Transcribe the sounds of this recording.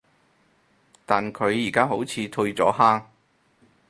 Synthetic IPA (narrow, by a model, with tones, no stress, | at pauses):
t̪aː˨nkʰɵ˨˧ɥjiː˨˩kaː˥ɦo˨˥wt͡sʰiː˨˧t̪ʰɵ˧ɥt͡sɔː˨˥haː˥ŋ